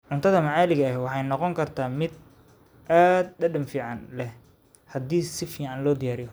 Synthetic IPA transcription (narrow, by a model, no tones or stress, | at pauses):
ʕʊnt̪ʰɐðɐmɐʕaːlɪɣɐɛwɑħɑjnɔqɔŋkʰɐrt̪ʰaːmɪd̪ | ʔaːd̪̚dɐɖɐmfiːʕɑnlɛh | hɐd̪iːsɪfiːʕɑnlɔːd̪ɪjaːɾɪjɔ